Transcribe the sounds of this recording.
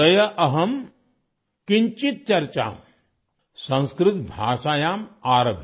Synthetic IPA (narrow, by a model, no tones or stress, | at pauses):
ɐjɐʔɐɦɐm | kiɲt͡ʃit̪̚t͡ʃɐɾt͡ʃa̰ːm | sɐ̃nskɾɪt̪bʱa̰ːʂaːjaːmaːɾɐbʱi